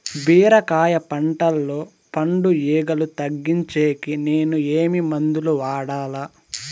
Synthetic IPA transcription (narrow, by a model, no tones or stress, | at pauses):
biːɾɐkaːjɐpɐɳʈɐlːo̞ː | pɐɳɖujiːɡɐlut̪ɐɡːiɲt͡ʃeːkine̞ːnueːmimɐnd̪uluʋaːɽaːlaː